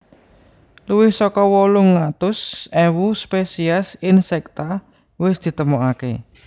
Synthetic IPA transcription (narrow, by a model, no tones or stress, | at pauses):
luwɪhsɔkɔwɔlʊŋːat̪ʊsɛwuspesiasɪnsɛk̚t̪a | wɪsd̪̥i̤t̪əmɔʔakḛ